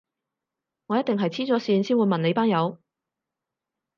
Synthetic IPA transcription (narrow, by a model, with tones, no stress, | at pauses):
ŋɔː˨˧jɐ˥t̚t̪ɪ˨ŋɦɐ˨jt͡sʰiː˥t͡sɔː˨˥siː˧nsiː˥nwu˨˧jmɐ˨nle˨˧jpaː˥ŋjɐ˨˧w